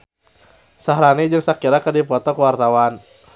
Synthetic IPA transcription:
saɦɾanid͡ʒɨŋsakiɾakədipɔt̪ɔkəwart̪awan

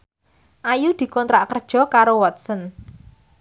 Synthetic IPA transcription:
ʔajud̪̥i̤kɔnt̪ɾaʔkərd̥ʒ̥ɔ̤kaɾowɔt̪sən

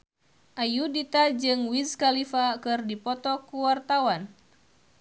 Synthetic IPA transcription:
ʔajudit̪ad͡ʒɨŋwizkalifakɨrdipɔt̪ɔkuwart̪awan

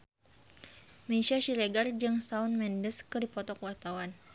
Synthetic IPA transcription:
meʃiaʃiɾeɡard͡ʒɨŋsaunmɛndəskɨdipɔt̪ɔkwart̪awan

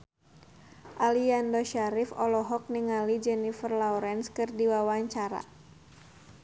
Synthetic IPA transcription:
ʔaliandoʃaɾifɔlɔɦɔk̚niŋalid͡ʒɛnifərlawɾɛnskɨrdiwawaɲt͡ʃaɾa̰

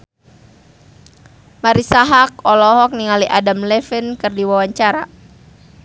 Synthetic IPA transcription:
maɾisaɦak̚ɔlɔɦɔk̚niŋaliʔadamlɛfənkɨrdiwawaɲt͡ʃaɾa

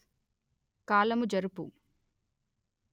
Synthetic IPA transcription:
kaːlɐmud͡ʒɐɾupu

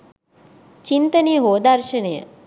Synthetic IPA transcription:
t͡ʃint̪əniɦoːd̪aɾʃənejə̰

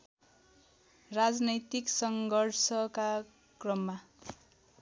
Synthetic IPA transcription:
rad͡znʌjt̪iksʌŋɡʌrsʌka | krʌmːa

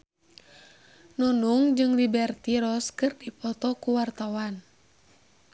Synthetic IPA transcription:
nunuŋd͡ʒɨŋlibɛrt̪iɾɔskɨrdipɔt̪ɔkuwart̪awan

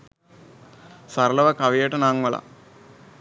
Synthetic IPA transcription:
sɐɾɐlɐʋɐkɐʋijeʈːɐnaːŋʋɐɭa̰

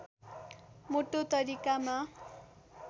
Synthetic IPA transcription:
moʈot̪ʌɾikama

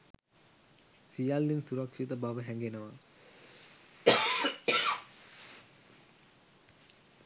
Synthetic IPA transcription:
sijalːinsuɾɐkʂit̪əbaʋəɦɛŋɡenəʋa

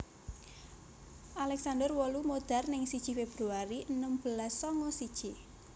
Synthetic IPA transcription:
ʔalɛksandərwɔlumod̪̥a̤rnɪŋsid̥ʒ̥i̤feb̥ɾuaɾiʔənəmb̥əlasːɔŋɔsid̥ʒ̥i

